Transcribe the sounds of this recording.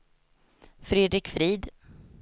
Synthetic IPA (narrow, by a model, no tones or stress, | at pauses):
fɾeːd̪ɾɪkfɾiːd̪